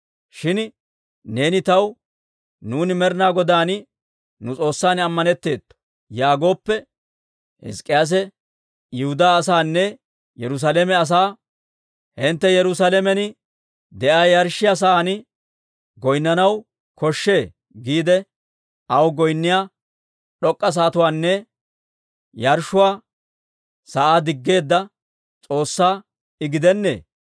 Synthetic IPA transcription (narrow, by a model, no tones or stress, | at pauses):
ʃɪn | ne̞ːnɪt̪ɐw | nuːnɪmɛɾnaːɡɔd̪aːn | nʊt͡sʼo̞ːsːaːnɐmːɐnɛt̪ːe̞ːt̪ːɔ̥ | jaːɡo̞ːpːɛ | hɪ̰skʼːɪjaːs̬ɛ | jɪhʊd̪aːs̬aːnːɛ | jɛɾʊs̬alemɛɐs̬aː | hɪnt̪ːɛjɛɾʊsaːlɛmɛnɪ | d̪ɛʔaːjɐɾʃːɪjas̬aːnɪ | ɡɔjnːɐnɐw | kɔʃːe̞ː | ɡiːd̪ɛ | ɐwɡɔjnːɪjaː | ɗɔkʼːɐs̬aːt̪ʊwaːnːɛ | jɐɾʃːʊwaː | sɐʔaːd̪ɪɡːe̞ːd̪ːɐ | t͡sʼo̞ːsːaː | ɪɡɪd̪ɛnːḛː